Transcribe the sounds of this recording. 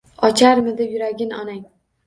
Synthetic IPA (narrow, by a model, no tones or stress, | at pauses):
ɒt͡ʃʰaɾmɪd̪ejʊɾaɡʲɪnɒnaŋ